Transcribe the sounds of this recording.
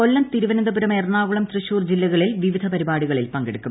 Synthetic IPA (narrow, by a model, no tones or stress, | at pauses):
olːɐmt̪iɾuʋɐnɐnd̪ɐbuɾɐmeːrnaːʋuɭɐmt̪rɨɕuːrd͡ʑilːɐɣɐɭilʋiʋid̪ʱɐpɐɾibaːɽiɣɐɭilpɐŋɡeɽukːu